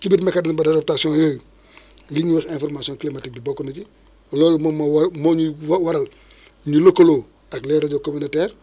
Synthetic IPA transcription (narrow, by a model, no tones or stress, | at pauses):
t͡ʃibitmakanisbadadop̚tasiõjoːju | ɡiɲuwɛxẽfoɾmasiõŋklimatik̚bibokːonaɟi | loːlmomwmoɲuwaɾal | ɲulokoloː | aklɛɾaɟokominotɛːɾ